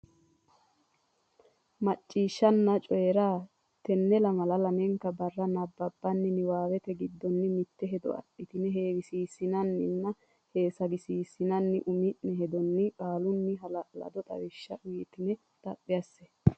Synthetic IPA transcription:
mɐt͡ʃʼːiːʃːɐnːɐt͡ʃʼɔjɛɾaː | t̪ɛnːɛlɐmɐlɐlɐmɛŋkːɐbɐrːɐnɐbːɐbːɐnːɪnɪwaːwɛt̪ɛɡɪd̪ːɔnːɪmɪt̪ːɛɦɛd̪ɔ̰ɐ̰ɗɪt̪ɪnɛɦeːwɪsiːsːɪnɐnːɪnːɐ | heːsɐɡɪsiːsɪnɐnːɪʔʊmɪʔnɛhɛd̪ɔnːɪkʼaːlʊnːɪɦɐlɐlɐ̰d̪ɔt̪ʼɐ̰wɪʃːɐʊiːt̪ɪnɛ | t̪ʼɐpʼːɪjɐsːɛ

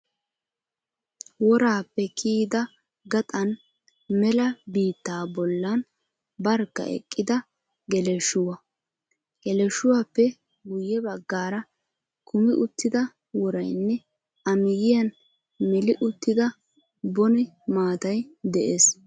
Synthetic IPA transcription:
wɔɾaːpːɛkʰiːd̪ɐ | ɡɐt̪ʼɐn | mɛlɐbiːt̪ːaːbɔlːɐn | bɐɾkːɐ̰ɛ̰kʼːɪd̪ɐ | ɡɛlɛʃʊwɐ | ɡ̥ɛlɛʃʊwapːɛ | ɡʊjɛbɐɡːaːɾɐ | kʊmɪʔʊt̪ːɪd̪ɐ | wɔɾɐjnːɛ | ɐmɪɡɪjɐn | mɛlɪʔʊt̪ːɪd̪ɐ | bɔnɪ | maːt̪ɐjd̪ɛʔeːs

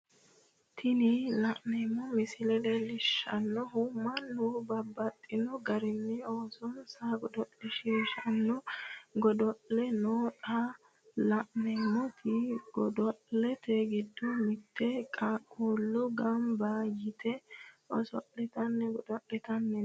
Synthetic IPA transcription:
t̪ʰɪnɪlɐʔnɛmːɔmɪsɪlɛd̪ɛlɪʃːɐnːɔɦʊmːɐnːubɐbːɐt̪ʼːɪnɔɡɐɾɪnːɛoːsɔnsaɡɔd̪ɔʔlɛʃiːʃɐnːɔɡɔd̪ɔʔlɛnoːᶑa | lɐʔnɛmɔt̪ʰɪɡ̥ɔd̪ɔʔlɛt̪eɡɪd̪ːɔmɪt̪ʰːɛkʼakʼoːlːɔɡɐmbɐjɪt̪ɛɔsɔ̰ʔɛt̪ɐnːɛɡɔd̪ɔʔɛt̪ɐnːɛ

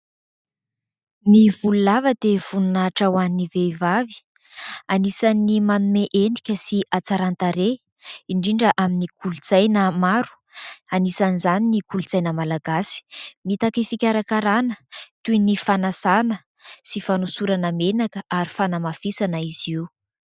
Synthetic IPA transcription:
mivululavəd̪ev̥ununaʈ͡ʂawaniniveivavi̥ | anisanimanumeʔeɳɖ͡ʐikʲəsiʔat͡saɾant̪aɾe | iɳɖ͡ʐiɳɖ͡ʐəʔaminikulut͡sajnəmaɾu̥ | anisanizaninikulut͡sajnəmalaɡasi̥mit̪akefikʲaɾakaɾanət̪uinifanasanə | sifanosuɾanamenakəʔaɾifanamafisanaiz̥iu

